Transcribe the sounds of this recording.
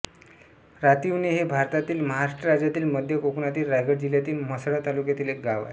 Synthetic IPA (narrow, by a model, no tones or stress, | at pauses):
ɾat̪iʋneɦebʱaɾt̪at̪iːlməɦaɾaʂʈəɾad͡ʑjat̪iːlməd̪ʱjəkokunat̪iːlɾajɡəɽd͡ʑiljat̪iːlməsɽat̪alukjat̪iːlek̚ɡaʋa̰e